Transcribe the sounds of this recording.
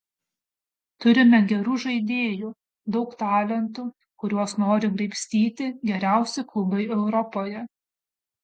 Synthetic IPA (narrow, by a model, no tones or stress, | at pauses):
t̪ʊɾʲɪmʲɛɡʲɛɾuːʒɐɪd̪ʲeːjuː | d̪ɒʊkt̪ɑːlʲɛnt̪u | kʊɾʲuɔsnoːɾʲɪɡɾɐɪpʲsʲt̪ʲiːt̪ʲɪɡʲɛɾʲæˑʊsʲɪklˠʊbɐɪɛʊɾɔpoːjɛ